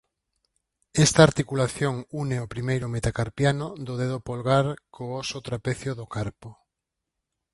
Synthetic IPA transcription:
ɛst̪aːɾt̪ikulaθjoŋuneopɾimejɾʊmet̪akaɾpjanʊd̪oðeðopolɣaɾkʰoɔsot̪ɾapeθjʊðʊkaɾpo

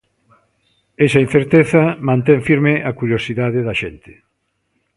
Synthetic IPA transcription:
ɛsɐin̟θeɾt̪eθɐmãnt̪eɱfiɾmɪʔakuɾjosiðaðɪðɐʃent̪ɪ̥

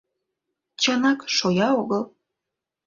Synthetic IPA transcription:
t͡ɕɑnɑkʃojɑoɣəlˠ

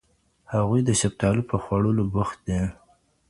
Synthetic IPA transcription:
haɣujd̪əʃap̚t̪ɑlupəxwaɽəlobʊxt̪̚d̪e

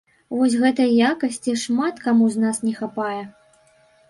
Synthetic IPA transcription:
vɔsʲɣɛt̪ɐjɐjakɐsʲt͡sʲiʂmat̪kamuznasnʲɛxapajɛ

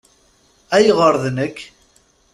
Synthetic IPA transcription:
æjʁəɾˤðnəkː

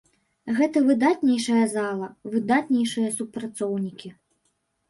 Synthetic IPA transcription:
ɣɛt̪ɐvɨd̪at̪nʲɛjʂɐjɐzalˠɐvɨd̪at̪nʲɛjʂɨjɐsupɾat̪sɔwnʲikʲi

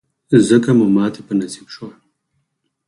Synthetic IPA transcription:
zəkamumɑːt̪epənasibʃwa

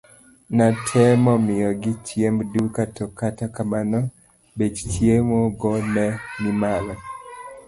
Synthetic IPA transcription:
natʰɛmɔmɪjɔɡɪt͡ʃjemdukatɔkatakamanɔ | bet͡ʃt͡ʃjemoɡɔnɛnɪmalɔ

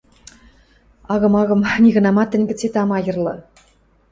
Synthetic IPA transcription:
ɑɣɤ̆mɑɣɤ̆mnʲiɣɤ̆nɑmɑt̪ʲɘ̆nʲɡʲɘ̆t͡sʲet̪ɑmɑjɤ̆rlˠɤ̰̆

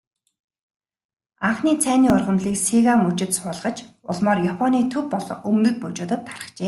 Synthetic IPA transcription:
aɴχniːt͡sʰæːniːʊrʁə̆mɮiːksiɣamɵt͡ɕɪ̆t̪sʊːɮʁə̆t͡ɕ | ʊ̰ɮmɔːrjapʰɔniːt̪ʰɵwpɔɮɞ̰̆ŋɵmnɵ̆t̪̚put͡ɕʊːt̪ə̆t̪ʰːḁrə̥̆χt͡ɕeː

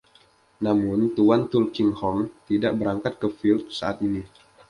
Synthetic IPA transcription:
namʊnt̪uant̪ulkɪŋhɔmt̪idaʔbəɾaŋkat̪̚kəfilt̪̚sa̰ʔat̪ini

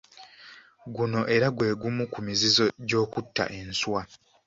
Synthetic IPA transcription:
ɡuno̞ʔe̞ɾaɡwe̞ːɡumukumizizo̞ɟo̞ːkutːa̰ʔe̞nswa

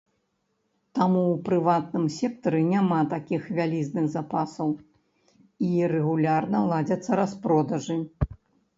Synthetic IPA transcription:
t̪amuwpɾɨvat̪nɨmsʲɛk̚t̪ɐɾɨnʲamat̪akʲixvʲalʲiznɨɣzapasɐw | irɛɣulʲarnɐlˠad͡zʲɐt̪sːɐɾaspɾɔd̪ɐʐɨ

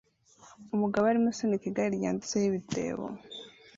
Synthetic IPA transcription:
umuɡaβːɾimusinikiɡaɾiɾɟa̰ːnzi̥t͡sehiβite̞̰ːβo̰

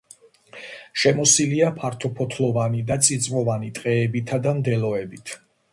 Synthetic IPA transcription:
ʃɛmɔsiliapʰaɾt̪ʰɔpʰɔt̪ʰlˠɔvanid̪at̪sʼid̪sʼmɔvanit̪ʼqʼɛːbit̪ʰad̪amd̪ɛlɔɛbit̪ʰ

